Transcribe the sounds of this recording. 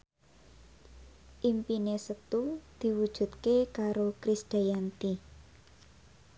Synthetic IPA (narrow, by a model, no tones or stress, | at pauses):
ʔimpinesət̪ud̪̥i̤wud̥ʒ̥ṳt̪̚kekaɾokɾisd̪̥a̤jant̪i